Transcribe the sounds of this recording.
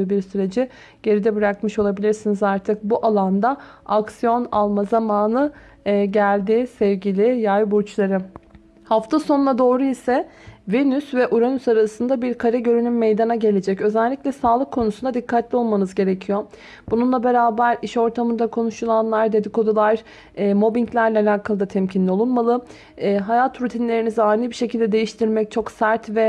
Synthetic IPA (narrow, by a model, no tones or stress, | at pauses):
biɾsyɾe̞d͡ʒi | ɟ̥e̞ɾid̪ɛbɯɾakmɯʃo̞lˠabilʲiɾsinizaɾt̪ʰɯk̚buʔalˠand̪a | aksijo̞nalˠmazamaːnɯ | ɟælʲd̪iːsɛvɟilʲijajbuɾt͡ʃlˠaɾɯ | haft̪ʰaso̞nlˠad̪o̞ːɾuisɛ | venysvɛʔuɾanysaɾasɯnd̪abiɾkʰaɾɛɟø̞ɾynymːejd̪anaɟe̞lʲe̞d͡ʒɛcø̞zælʲːiclʲɛsaːlˠɯkʰːo̞nusund̪ad̪ikʰːat̪lʲio̞lˠmanɯzɟe̞ɾecʰijo̞ | bununlˠabe̞ɾaːbæɾiʃo̞ɾt̪ʰamɯnd̪akʰo̞nuʃulˠanlˠaɾd̪ed̪ikʰo̞d̪ulˠaɾː | mo̞biɲclʲæɾlʲɛalʲaːkʰalˠɯd̪at̪ʰɛmcʰinlʲio̞lˠunmalˠɯ | ɛːɦajat̪ʰːɾut̪ʰinlʲe̞ɾinizaːnɯbiʃe̞cilʲd̪ɛd̪e̞jiʃt̪ʰiɾmɛc̚t͡ʃʰo̞ksæɾt̪vɛ